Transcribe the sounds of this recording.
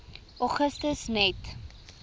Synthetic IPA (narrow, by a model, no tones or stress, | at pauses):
ʔɔχəstəsnɛt